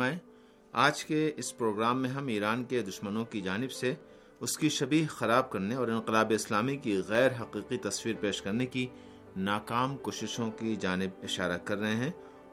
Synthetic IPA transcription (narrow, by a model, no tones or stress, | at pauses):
aːẽ | aːd͡ʒkeɪspɾoːɡɾaːmːẽɦɐmiːɾaːnked̪ʊʃmənõkid͡ʒaːnɪbse | ʊskiʃɐbiːɦxɐɾaːb̚kɐɾneɔːɾɪ̃nqɪlaːbeɪslaːmikiɣɛːɾɦɐqiːqit̪ɐswiːɾpeːʃkɐɾneki | naːkaːmkoːʃɪʃõkid͡ʒaːnɪbɪʃaːɾakɐɾːɐɦẽɦɛ̃ː